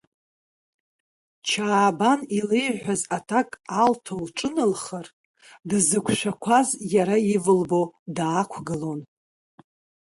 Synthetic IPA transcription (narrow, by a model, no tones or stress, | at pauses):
t͡ʃʰaːbanilejħʷᶣazatʰakʼaltʰolʈ͡ʂʼɨnɨlχər | dzɨkʷʰʃʷᶣakʷʰazjaɾaivɨlbo̞daːkʷʰɡɨlo̞n